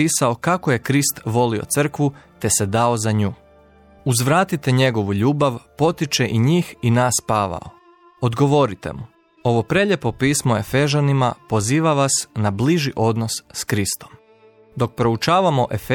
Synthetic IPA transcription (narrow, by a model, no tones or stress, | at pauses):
iːsao̞kakoje̞kɾist̪ʋo̞lio̞̰t̪sr̩kʋut̪e̞sed̪ao̞zaɲuː | uzʋɾaːt̪it̪e̞ɲe̞ɡo̞ʋuʎuːbaʋpo̞t̪it͡ʃe̞ʔiɲiːxinaːspaːʋa̰o̰ | od̪ɡo̞ʋo̞ɾit̪e̞̰mu | o̞ʋo̞pɾe̞ʎepo̞piːsmo̞e̞̰fe̞ʒanimapo̞ziːʋaʋasnabliʒiʔo̞d̪no̞sskɾist̪o̞̥m | d̪o̞k̚pɾo̞ut͡ʃaːʋamo̞ʔe̞fe